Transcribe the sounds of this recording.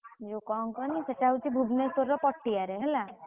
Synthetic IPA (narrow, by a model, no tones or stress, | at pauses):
d͡ʒukɔŋkɔniseʈaɦut͡ʃʰibʱubnesɔɾːɔpɔʈːiaɾeɦɛla